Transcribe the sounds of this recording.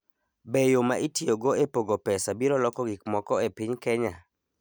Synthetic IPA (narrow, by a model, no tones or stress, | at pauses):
bejomaʔitioɡoepoɡopɛsabiɾɔlɔkɔɡik̚mɔkɔepɪɲkɛɲa